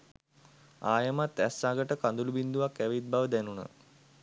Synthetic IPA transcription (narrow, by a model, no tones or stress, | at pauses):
aːjəmat̪ːæsːaːɡəʈəkand̪ulubind̪uʋakːæʋit̪̚baʋəd̪ænunə̰